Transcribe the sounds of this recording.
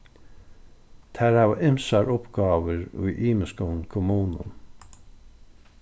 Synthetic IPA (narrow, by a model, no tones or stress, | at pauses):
t̪ʰæːɾɑːʋʔɪmsɑɹʊpɡ̥ɑːʋəɹʉ̰ʏʔiːməskʊnkʰʊmuːnə̰n